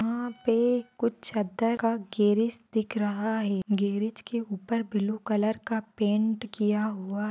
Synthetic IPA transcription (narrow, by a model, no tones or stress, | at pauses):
ɦãpekʊt͡ʃʰt͡ʃɐd̪əɾkaɡeːɾɪsd̪ɪkʰɾɐɦaɦɛːɡeːɾɪt͡ʃkeuːpəɾbɪlukələɾkapẽːɳʈkijaɦuaɦ